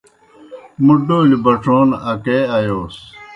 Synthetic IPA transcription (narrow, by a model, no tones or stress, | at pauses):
muɖoːlibɐʈ͡ʂʰoːnɐkeːɐjoːs